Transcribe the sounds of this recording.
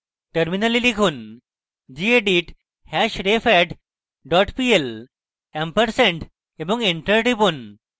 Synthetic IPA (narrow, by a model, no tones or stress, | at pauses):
ʈəɾminəlilikʰuːn | d͡ʑieɖiʈ | hɛɕɾefɛʈ | ɖɔʈpiel | empəɾsẽɳʈ | ebɔ̃ŋɡeɳʈəɾʈipuːn